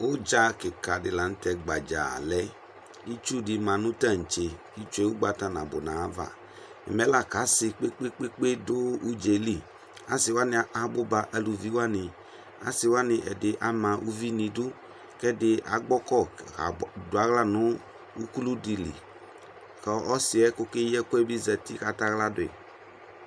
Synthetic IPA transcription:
o˦d͡ʒa˧kɪ˨ka˨dɪ˧la˨n̩˦tɛ˧ɡ͡ba˨d͡ʒa̰˨lɛ˨˦ | i˦t͡ʃu˦˨di˧mã˧nũ˦ta˦˨n̩˨t͡ʃe˧ki˦t͡ʃe˦wu˦ɡ͡ba˧ta˧˨nã̰˨bo̰˨nã˨a˦va̰˨ | ḭ˨mɛ˨˦la˦˨ka˨˦sɪ˧k͡pe˦k͡pe˦k͡pe˦k͡pe˦dʊ˦u˦d͡ʒe˧li˦˨ | a˨˦sɪ˧wa˦nĩ˧˦a˧˦bo˦ba˧ʔa˧lu˧vi˨˦wa˦nɪ˧ | a̰˦sɪ˧wa˦nɪ˧ʔɛ̰˨dɪ˨ʔa˨˦mã˧ʔu˦vi˦nĩ˧du˦ | kɛ˦dɪ˧ʔa̰˨˦ɡ͡bɔ˦kɔ˦˨a˨dʊ˨a˨˦ɣla˦˨nʊ̃˨˦ | u˦ku˦lu˦di˧lḭ˨ | kɔ˨ɔ˦sɪ˨˧ɛ˦ko˦ke˦jɛ˦kʷɛ˦bi˦zɛ˧ti˦ka˨˦ta˦ɣla˦dʊ˨ɪ̰˨

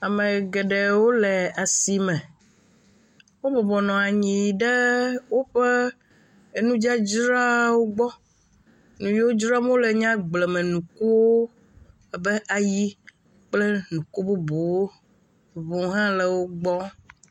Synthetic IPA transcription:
a˨me˨ɡɛ˨ɖe˨wo˦le˨a˨si˨mɛ̃˨ | wo˦bɔ˨bɔ˨nɔ̃˨a˨ɲĩ˨ɖe˦wo˦ɸe˦ | e˨nũ˦d͡ʒa˦d͡ʒɾa˦wo˦ɡ͡bɔ˦ | nũ˨jwo˦d͡ʒɾa˦m˦õ˦le˨ɲã˦ɡ͡blɛ˨mɛ̃˨nũ˨ku˦wo˦ | a˨be˦ʔa˨ji˦ | k͡ple˦nũ˨ku˦bo˦bo˨wo˦ | võ˨ɦã˦lɛ˨wo˦ɡ͡bɔ˦

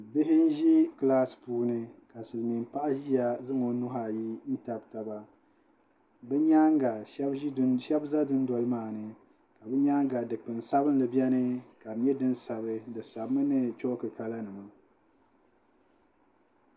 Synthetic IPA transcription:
bɪ˦ɦɪ˦n̩˦ʒi˦klaː˦spuː˦nɨ˦ka˨sɨ˨lmi˨m˨pa˦ʔa˦ʒi˦ja˨zɨ˦ŋo˨nʊ˦ɦa˨ji˦n̩˦ta˨bta˨ba˦ | bɨ˦ɲa˦ŋ˦ɡa˨ʃɛ˦bʃɛ˦bza˦dʊ˦n˦dɔ˨lɨ˦maː˦˨nɨ˨ | ka˨bɨ˦ɲa˦ŋ˦ɡa˨dɨ˨k͡pɨ˨n˨sa˦bɨ˦n˦lɨ˨bjɛ˦nɨ˦ka˨ɲɛ˦dɨ˦nsa˨bɨ˦dɨ˨sa˨bmɨ˦nɨ˦t͡ʃo˦ʔkɨ˨ka˦la˦nɨ˨ma˨

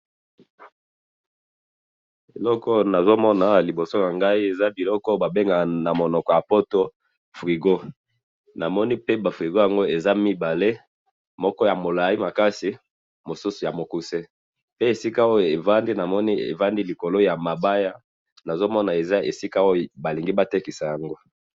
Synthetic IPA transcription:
e˨lɔ˦kɔ˦na˨zo˦mɔ˦na˨li˨bo˨so˦na˨ŋɡa˦i˦e˨za˦bi˨lɔ˦kɔ˦ba˨be˦ŋɡa˨na˨mo˨nɔ˨kɔ˨ja˨po˦to˦ | fʁi˨ɡo˦ | na˨mɔ˦ni˦pe˦ba˨fʁi˨ɡo˦ja˨ŋɡo˦e˨za˦mi˦ba˨le˦ | mɔ˦kɔ˦ja˨mo˨la˨i˦ma˨ka˦si˨ | mo˨su˦su˨ja˨mo˨ku˦se˦ | pe˦e˨si˦ka˦o˦jo˨e˨va˦ndi˦na˨mɔ˦ni˦ḛ˨va˦ndi˦li˨ko˨lo˦ja˨ma˨ba˦ja˦ | na˨zo˦mɔ˦na˨e˨za˦e˨si˦ka˦o˦jo˨ba˨li˨ŋɡi˦ba˦te˦ki˨sa˨ja˨ŋɡo˦

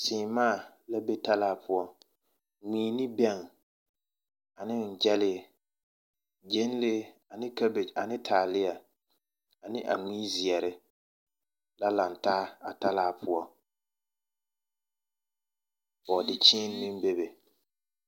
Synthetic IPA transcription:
sɪː˨maː˦˨ | la˦be˦ta˦laː˦pʊ˦ɔ˦ | ŋiː˨˦nɪ˦bɛ˦˨ŋ | a˨nɪ˦n̩˨d͡ʒɛ˦lɪ˦˨ | d͡ʒe˦n˦le˦a˨nɪ˦ka˦be˨d͡ʒa˨nɪ˦tʰaː˨lɪ˦ja˨ | a˨nɪ˦ʔa̰˨ŋ͡miː˦zɪ˨ɛ˨ɾɪ˦ | la˦la˨ntaː˦a̰˨ta˦laː˦pʰʊ˦ɔ˦ | bɔ˨dɪ˨t͡ʃiː˦n˨mɪ˦m˦be˦be˨

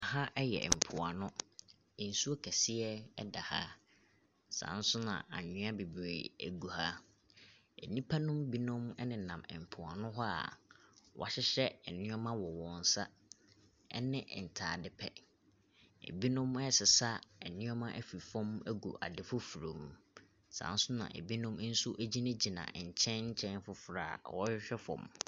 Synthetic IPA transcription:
a˨ɦa˦ʔɛ˦jɛ̰˨m̩˨pʰʊ˨a˨nʊ̃˦˨ | n̩˨su˦o˦kʰɛ˨sɪ˦ɛ˦ɛ̰˦da˨ha̰˦ | sã̰˨n̩˦sʊ˦nã̰˨ʔa̰˨ɲʊ̃˦a˦bi˨bḛ˨æ̰˨ɡu˨ha˦ | ɛ̰˨nĩ˦pʰa˦nʊ̃˦mbi˦nʊ̃˦mɛ˦nɪ̃˨nã˨mɛ̰˨m̩˨pʰʊ˨a˨nʊ̃˦ɦɔ˦a̰˨wʔa̰˦ɕɪ˦ɕɛ˦ɛ˨nɪ̃˦ɔ˦mã˦wɔ˨wɔ̃˨n̩˨sa˦ | ɛ̰˦nɪ̃˦˨ʔn̩˨tʰaː˨dɪ˦pʰɛ˨ | ḛ˨bi˦nʊ̃˦mɛ˦˨sɪ˨sa˦ɛ˨nɪ̃˦ɔ˦mã˦ʔæ˦fi˨fɔ̃˦mæ˦ɡo̰˨ʔa̰˨dɪ˨fʊ˦fu˨ɾõ˨m | sã̰˨n˦sʊ˦nã̰˨ʔḛ˨bi˦nʊ̃˦m˦n̩˦su˦ʔæ˦d͡ʑi˦nɪ̃˦d͡ʑi˨nã̰˨ɲ̩˨t͡ɕʰɛ̃˦nɲ̩˦t͡ɕʰɛ̃˦n˦fʊ˦fɾaː˦˨wɔ˦ɕᶣɛ˦fɔ̰̃˨m

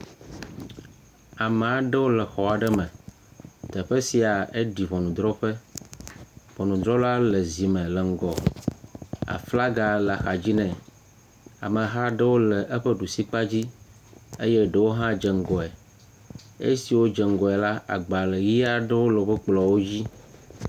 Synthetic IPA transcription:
a˨me˨a˨ɖɛ˦wo˦lɛ˨xɔ˨a˨ɖɛ˦mɛ̃˨ | t̪ɛ˨ɸɛ˦si˨a˨e˦ɖi˨vɔ˨nũ˨d̪ɾɔ˦ɸɛ˦ | vɔ˨nũ˨d̪ɾɔ˦la˦lə˨zi˨mɛ̃˨lə˨ŋ̩˨ɡɔ˨ | a̰˨fla˦ɡa˨lxa˨d͡ʑi˦nɛ̃˨ | a̰˨mə̃˨ɦa˦ɖə˦wo˦lɛ˨ʔe˦ɸə˦ɖu˨si˦k͡pa˦d͡ʑi˦ | ḛ˦jɛ˦ɖə˨wo˦ɦã˦d͡ʒɛ˨ŋ̩˨ɡɔ˨ɛ˨ | ḛ˦si˨wo˦d͡ʒɛ˨ŋ̩˨ɡɔ˨ɛ˨la˦a̰˨ɡ͡ba˨lə˨ji˦a˦ɖɛ˦wo˦lo˨bə˦k͡plɔ˨wo˦d͡ʑi˦

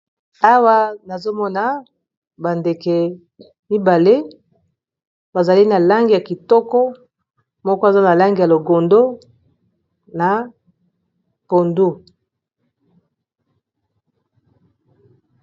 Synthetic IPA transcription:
a˦wa˦na˨zo˦mɔ˦na˨ | ba˨nde˨ke˨ | mi˦ba˨le˦ | ba˨za˨li˦na˨la˦ŋɡi˨ja˨ki˨tɔ˦kɔ˦ | mɔ˦kɔ˦e˨za˦na˨la˦ŋɡi˨ja˨lo˨ɡo˨ndo˦ | na˨ | po˨ndu˦˨

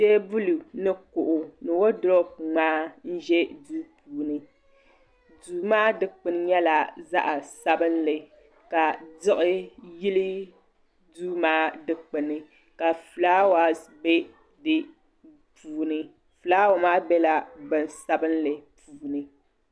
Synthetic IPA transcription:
te˦bu˦lu˨nɨ˦kʊ˨ʔʊ˨nɨ˨wo˦dɾo˦p̚ŋ͡maː˦n̩˦ʒɛ˦duː˦pʰuː˨nɨ˨ | duː˨maː˦dɨ˨k͡pɨ˨n˦ɲɛ˦la˨za̰˦ʔa˨sa˦bɨ˦nlɨ˨ | ka˨dɨ˦ʔɪ˦jɪ˦lɨ˦ | du˦maː˦dɨ˨k͡pɨ˨nɨ˨ | ka˨flaː˦wa˨bɛ˦ | dɨ˦ | pʰuː˨nɨ˨ | fɨ˨laː˦wa˨maː˦bɛ˦la˨bɨ˨nsa˦bɨ˦nlɨ˨puː˨nɨ˨

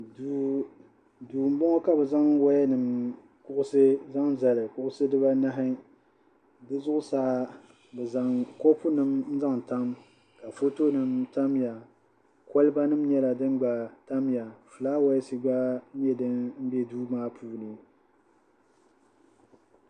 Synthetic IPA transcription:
duː˨m̩˦bɔ˦ŋɔ˦ka˦bɛ˨za˦ŋwa˦jɛ˦nɨ˨m | kʊ˦ʔʊ˦sɨ˦za˦ŋza˨lɨ˨kʊ˦ʔʊ˦sɨ˦dɨ˦ba˦na˦ɦɪ˦ | dɨ˦zʊ˦ʔʊ˦saː˦ | bɛ˨za˨ŋkɔ˦pʊ˦nɨ˦mn̩˦za˦ŋta˦m | ka˨fo˦to˦nɨ˦mta˦mja˨ | kɔ˦lɨ˦ba˦nɨ˦mɲɛ˦la˨dɨ˦ŋ˦ɡ͡ba˨ta˦mja˨fɨ˨laː˦wa˦jɛ˦si˦ɡ͡ba˦ɲɛ˦dɨ˦nm̩˦bɛ˦duː˦maː˦pʰuː˦nɨ˨

